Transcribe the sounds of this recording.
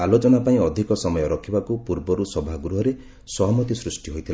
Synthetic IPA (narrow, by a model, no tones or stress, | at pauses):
alot͡ʃɔnapaĩɔd̪ʱikɔsɔmɔjɔɾɔkʰibakupuɾbɔɾusɔbʱaɡɾuɦɔɾe | sɔɦmɔt̪isɾusʈiɦojt̪ʰil